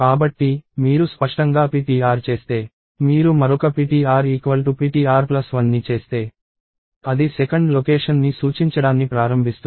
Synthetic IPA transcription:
kaːbɐʈːimiːɾuspɐʂʈɐŋɡaːpiːʈiːaːɾt͡ʃe̞ːst̪e̞ː | miːɾumɐɾɔkɐpiːʈiːaːɾiːkʋɐlʈupiːʈiːaːɾplɐsʋɐnːit͡ʃe̞ːst̪e̞ː | ɐd̪isɛkɐɳɖlokeːʂɐnːisuːt͡ʃiɲt͡ʃɐɽaːnːipɾaːɾɐmbʱist̪u

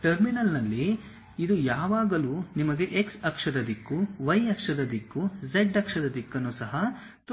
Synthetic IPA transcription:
ʈɐɾminɐlnɐlːiː | d̪ujaːʋaːɡɐlunimɐɡe̞ʔeksɐkʂɐd̪ɐd̪ikːuʋɐjɐkʂɐd̪ɐd̪ikːud͡ʒeɖɐkʂɐd̪ɐd̪ikːɐnːusɐɦɐ | t̪

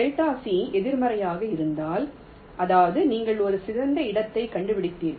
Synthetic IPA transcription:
ɛɻʈ̪aːsiɛðɪɾmɐɾɐjaːɣɐɪɾɯnd̪aːl | ʔɐðaːʋɐðɯniːŋɡɐɭɔɾɯsɪðɐnd̪ɐɪɽɐt̪ːɐɪkɐɳɖɯpɪɽɪt̪ːeːn

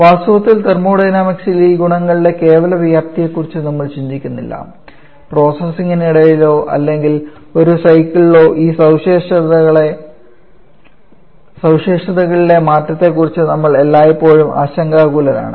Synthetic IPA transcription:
ʋaːst̪uʋɐt̪ːilt̪ermuːɽɐjnaːmɐksiliɡuɳɐŋːɐɭiɖe̞ke̞ːʋɐlɐʋijaːpt̪ijekːurit͡ɕːɨnɐmːɐɭt͡ɕiɲd͡ʑikʲːunːilːɐ̰ | pro̞ːsɐsiŋiniɽɐjilo̞ːʔɐ̰lːe̞ŋɡil | o̞ɾusɐjkːiɭilo̞ːʔiːsɐwʂeːʂɐðɐɣɐɭe | sɐwʂeːʂɐðɐɣɐɭile̞maːtːɐt̪ːe̞kːurit͡ɕːɨnɐmːɐɭe̞lːaːjipːo̞ːɻumʔa̰ːɕɐŋɡaːɣuːlɐɾa̰ːɳɨ̰

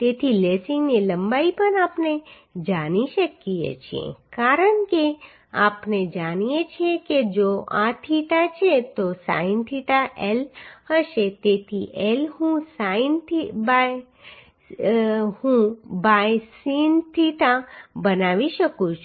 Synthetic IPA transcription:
t̪et̪ʰilesĩŋnilə̃mbaipənaːpne | d͡ʒaniʃəkiḛt͡ʃʰiḛ̃kaɾəɳke | a̰ːpned͡ʒanijet͡ʃʰẽked͡ʒoʔat̪ʰiʈat͡ʃʰet̪osa̰ĩnt̪ʰiʈaʔelhəʃet̪et̪ʰiʔelɦũsaint̪iba | hũbajsint̪ʰiʈabənaʋiʃəkũt͡ʃʰu

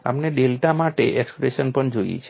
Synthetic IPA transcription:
a̰mneɖelʈamaʈḛʔɛkspɾeʃənpəɳd͡ʒojḭt͡ʃʰe

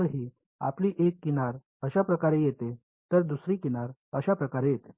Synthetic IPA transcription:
əɾɦiː | a̰pliːʔekːinaɾ | əɕapɾəkaɾejet̪e | t̪əɾd̪usɾiːkinaɾəɕapɾəkaɾejet̪e̥

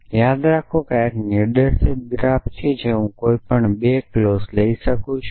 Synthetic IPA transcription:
jad̪ɾakʰokakneɖəɾsɪp̚ɡɾapt͡ʃʰed͡ʒeɦũkoipəɳɓeklozləisəkũt͡ʃʰ

